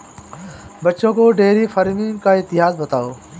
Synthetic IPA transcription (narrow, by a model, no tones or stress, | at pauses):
bəʃõːkoːɖeːɾiːfəɾmĩːkaːɪt̪ɪɦaːzbət̪aːoː